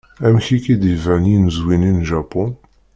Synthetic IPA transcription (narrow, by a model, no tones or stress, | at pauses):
æmçikid̪ivæʕninəzwininʒɑpʊn